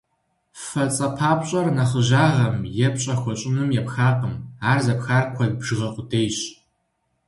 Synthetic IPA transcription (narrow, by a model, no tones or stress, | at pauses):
fɐt͡sʼɐpʰaːpʼɕʼɐrnɐχəʑaːʁɐmjɛpɕʼɐxʷɔɕʼɪmɨmjɛpxaːqəmaːrzɐpxaːrkʷʰɔɮbʒ̥ɨʁɐqʷʊdʰeːjɕ